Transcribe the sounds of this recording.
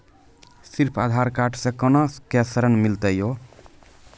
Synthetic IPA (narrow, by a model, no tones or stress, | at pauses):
siɾpʰad̪ʱaɾkaʈʰsẽkənoskesɾənmilt̪əjo